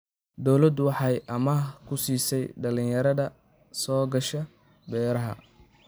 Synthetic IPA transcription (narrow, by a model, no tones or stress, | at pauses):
d̪ɔwlɐd̪wɑħɑjʔɐmɐkʰʊsiːsɛjɖɐlɪ̃njɐɾɐðɐ | sɔːɡɐʃɐ | bɛːɾɐɦɐ̰